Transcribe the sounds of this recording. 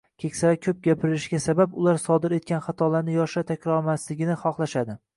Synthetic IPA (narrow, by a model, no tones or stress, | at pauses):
kʲʰe̞kʲsaɾakʲʰɵp̚ɡʲapʰɪɾɪɾɪʃɡʲasababʊlaɾsɒd̪ɪɾe̞t̪̚kʲanχɑt̪ʰɒlaɾnɪjɒʃat̪ʰakʲɾɒɾmaslɪɡʲɪnɪχɒχlˠaʃad̪ɪ